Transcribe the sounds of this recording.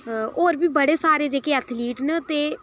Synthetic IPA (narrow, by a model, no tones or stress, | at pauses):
oːɾbiːbəɽeːsaːɾeːd͡ʒeːkeət̪ʰliːʈnət̪eː